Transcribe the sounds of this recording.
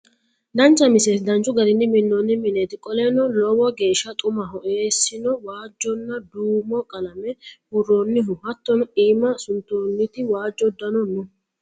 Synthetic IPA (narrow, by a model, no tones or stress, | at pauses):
d̪ɐnt͡ʃːɐmɪsesd̪ɐnt͡ʃːʊɡɐɾɪnːɪmɪnːɔnːɪmɪnet̪ɪkʼɔlenɔlɔwɔɡe̞ːʃːɐt̪ʼʊmɐɦɔʔeːsːɪnɔwaːd͡ʒːɔnːɐd̪uːmɔkʼɐlɐmɛhʊɾːoːnːɪɦʊhɐt̪ːɔniːmɐsʊnt̪ːoːnːɪt̪ɪwaːd͡ʒːɔd̪ːɐnɔnːʊ